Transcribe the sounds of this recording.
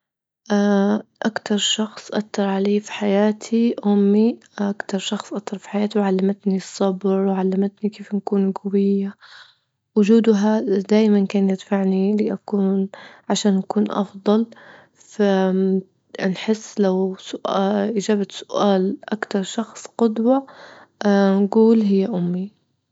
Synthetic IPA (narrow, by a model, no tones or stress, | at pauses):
ʔaʔakt̪ʰɑɾˤʃɑxsˤʔak̪ːɑɾˤʕaleːfi̥ħajaːt̪ʰiʔʊmːiʔʔakt̪ɑɾˤʃɑxsˤʔakt̪ːɑɾˤfi̥ħajaːt̪iwʕalːamat̪nisˤːɑbɾwʕalːamat̪nikeːfnakuːnɡawɪjːa | wʊd͡ʒuːd̪ɦad̪aːʔmankaːnjɪd̪faʕniliʔakuːnʕaʃaːnʔakuːnʔɑ̰fd̪ˤɑl | fa | nħɪsːlawsʊʔaʔid͡ʒaːbat̪sʊ̥ʔaːlʔakt̪ɑɾˤʃɑxsˤqʊd̪wɑ | nɡuːlɦɪjːaʔʊmːi